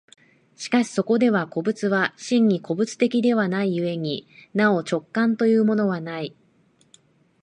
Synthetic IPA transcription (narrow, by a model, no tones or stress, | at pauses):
ɕi̥kaɕi̥so̞ko̞d̪e̞β̞ako̞bɯ̟t͡sɨβaɕĩɲ̟ːiko̞bɯ̟t͡sɨ̥t̪e̞kʲid̪e̞βanaijɯ̟e̞ɲ̟inao̞t͡ɕo̞kːãnt̪o̞jɯ̟ːmo̞no̞βanai